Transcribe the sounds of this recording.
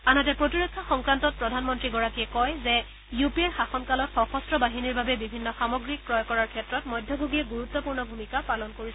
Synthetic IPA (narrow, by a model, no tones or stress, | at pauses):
anɔtɛpɹotiɹokʰːaxɔŋkɹantɔt̚pɹɔdʱanmɔntɹiɡɔɹakiɛkɔjzɛ | jupieɹxaxɔnkalɔtxɔxɔstɹɔbaɦiniɹbabɛbibʱinːɔxamɔɡɹik̚pɹɔjkɔɹaɹkʰɛtɹɔtmɔjdʱjɔbʱoɡiɛɡuɹut̪ːɔpuɹnɔbʱumikapalɔnkoɹis